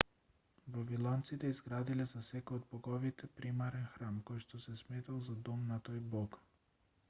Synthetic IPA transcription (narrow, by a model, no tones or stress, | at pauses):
vavilˠɔnt̪sit̪ɛizɡɾad̪ilɛzasɛkojod̪̚bɔɡɔvit̪ʰɛpɾimaɾɛnxɾamkojʃt̪ɔsɛsmɛt̪alˠzad̪ɔmnat̪ojbɔk